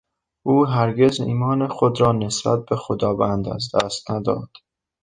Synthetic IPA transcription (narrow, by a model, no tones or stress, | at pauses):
ʔuːɦæɾɡe̞zḭːmɒːnexod̪ɾɒːne̞sb̥æ̰t̪̚be̞xod̪ɒːbænd̪æ̰zd̪æ̰ːst̪næd̪ɒ̰ːd̪̥